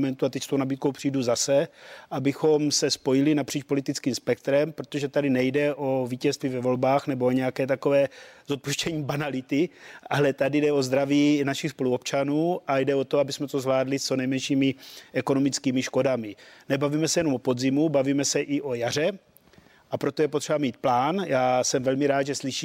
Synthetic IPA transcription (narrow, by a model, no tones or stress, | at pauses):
mɛnt̪uat̪ɛcst̪ownabiːt̪ko̞wpr̥ijduzasɛʔabɪxo̞msɛspojɪlɪnapr̝̥iːt͡ʃpo̞lit̪it͡skiːmspɛk̚t̪ɾɛmpɾo̞t̪o̞ʒɛt̪adɪnɛjdɛʔo̞viːcɛst̪viːvɛvo̞lbaːxnɛbooɲɛjakɛːt̪akovɛːzot̪̚puʃcɛɲiːbanalɪt̪ɪʔalɛt̪adɪdɛo̞zd̪ɾaviːnaʃɪxspo̞luopt͡ʃanuːʔajdɛo̞t̪oabɪsmɛt̪ozvlaːdlɪst͡so̞nɛjmɛnʃiːmɪʔɛko̞no̞mɪt͡skiːmɪʃko̞damɪnɛbaviːmɛsɛjɛnomopo̞d̪zimubaviːmɛsɛʔɪʔo̞jar̝ɛ | ʔapɾo̞t̪ojɛpo̞t̪r̥ɛbamiːt̪̚plaːnjaːsɛmvɛlmɪɾaːd̪ʒɛsliʃiː